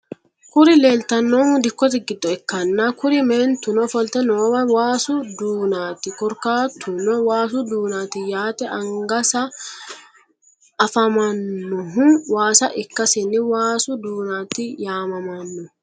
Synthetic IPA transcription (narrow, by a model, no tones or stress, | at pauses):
kʊɾɪleːlt̪ɐnːod̪ɪkːɔt̪̬ɪɡɪd̪ːɔɛkːɐnːaːkʊɾɪmeːnt̪ʊnɔfɔlt̪ɛnoːbɐwaːsʊd̪uːnaːt̪ɪkɔɾkaːt̪ʰːʊnɔwaːsʊd̪uːnaːt̪ɪjaːt̪ɛʔɐŋɡɐsɐ | fɐmɐnːʊɦʊwaːsɐʔɪkːɐsɪnːɪwaːsʊd̪uːnaːt̪ɪjaːmɐmɐnːʊ